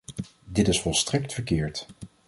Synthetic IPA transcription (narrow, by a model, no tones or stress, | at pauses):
dɪtɪsfɔlˠstrɛk̚tfəɹkɪːɹt